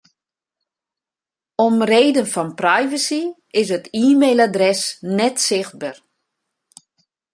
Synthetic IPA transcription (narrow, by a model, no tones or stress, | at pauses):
ɔmreːdənfɔnprɛjvəsi | ɪsətiːmejladrɛsnɛtsɪxt̚bar